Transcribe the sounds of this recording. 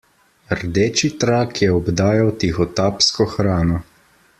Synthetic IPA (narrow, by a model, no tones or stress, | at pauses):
ɾd̪eːt͡ʃit̪ɾakʰjɛɔbd̪aːjawt̪ixɔt̪aːpskɔxɾaːnɔ